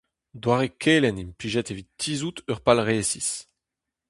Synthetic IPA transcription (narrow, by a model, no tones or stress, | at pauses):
d̪waʁekʰeːlɛnimpliːʒɛt̪evitːiːzut̪œʁpalʁeːsis